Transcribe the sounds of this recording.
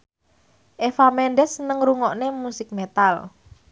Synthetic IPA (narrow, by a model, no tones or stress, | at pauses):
ʔefamɛnɖɛsːənəŋɾuŋɔʔnemusɪk̚met̪al